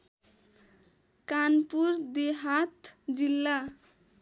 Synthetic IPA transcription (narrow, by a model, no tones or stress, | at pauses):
kanpuɾd̪eɦat̪d͡zilːa